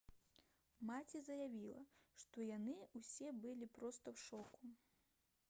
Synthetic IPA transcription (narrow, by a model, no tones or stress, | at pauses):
mat͡sʲizɐjavʲilˠɐ̰ʂt̪ɔjanɨusʲɛbɨlʲipɾɔst̪ɐwʂɔku